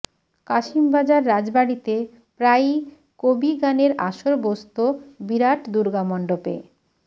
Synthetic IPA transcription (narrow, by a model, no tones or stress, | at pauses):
kaʃimbad͡ʑaɾːad͡ʑbaɽit̪e | pɾaj | kobiɡaneɾa̰ʃoɾbost̪obiɾaʈd̪uɾɡamɔɳɖopḛ